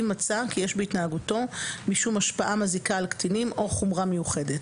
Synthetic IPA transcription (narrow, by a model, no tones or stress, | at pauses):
mat͡sakijeʃbeitnaːɡuto̞miʃumaʃpaʔamazikaːlktʰinimo̞χumʁamejuχe̞det